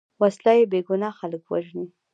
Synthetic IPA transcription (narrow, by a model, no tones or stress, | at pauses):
waslɑjebeɡʊnɑxaləkwa̰ʒni